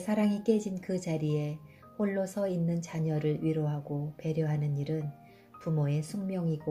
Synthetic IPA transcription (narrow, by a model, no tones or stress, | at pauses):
sʰaɾaŋik͈e̞d͡ʑinkɯt͡ɕaɾie̞ | hoɭːosʰʌinːɯnt͡ɕaɲʌɾɯɭɥiɾoɦaɡope̞ɾjʌɦanɯniɾɯn | pumoe̞sʰuŋmjʌŋiɡo